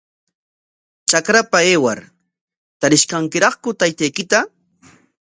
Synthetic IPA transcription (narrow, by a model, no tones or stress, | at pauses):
t͡ʃakɾapaeːwa̰ɾ | t̪aɾɪʃkaŋkɪɾɑχkʊt̪ajt̪ajkɪt̪a